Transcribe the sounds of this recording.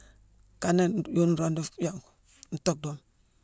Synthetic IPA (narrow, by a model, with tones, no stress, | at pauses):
ka˦ne˦˨jo˦n˦ɾo˦ndo˦ja˨ŋku̥˨ | n̩˦to˦k̚do˦m